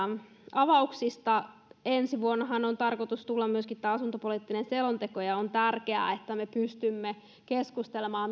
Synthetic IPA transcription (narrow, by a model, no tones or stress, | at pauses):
ɑʋɑuksist̪ɑ | ensiʋuonːɑɦɑnont̪ɑrkot̪ust̪ulːɑmmyøskit̪ːæːɑsunt̪opoliːt̪ːinenselont̪ekojɑont̪ærkeæ̰et̪ːæmepyst̪ymːe | keskust̪elemɑːm